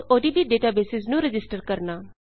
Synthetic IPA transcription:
oːɖiːbiːɖeːʈaːbeːsɪznũːɾɪd͡ʒɪsʈəɾkəɾnaː

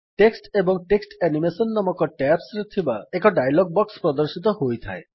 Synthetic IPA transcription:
ʈeksʈebɔŋʈeksʈɛnimesɔnːɔmɔkɔʈɛpsɾet̪ʰibaɛkɔɖajlɔɡ̚bɔkspɾɔd̪oɾʃit̪̬ɔɦojt̪ʰa̰e

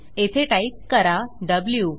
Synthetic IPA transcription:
et̪ʰeʈaip̚kəɾaɖəblju

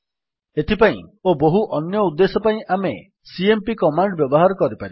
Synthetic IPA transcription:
et̪ʰipaḭ̃oboɦuʔɔnjɔud̪ːesɔpaĩʔame | siempikɔmaɳɖbjɔbɔɦaɾɔkɔɾipaɾi

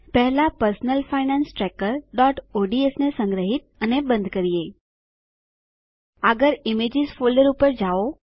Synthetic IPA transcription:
pɛɦlapəɾsnəlfainansʈɾɛkəɾɖɔʈoɖiesnesə̃ŋɡɾəɦit̪̚ənebə̃nd̪ʱkəɾie | əɡəɾimed͡ʒɪzfoləɾupəɾd͡ʒao

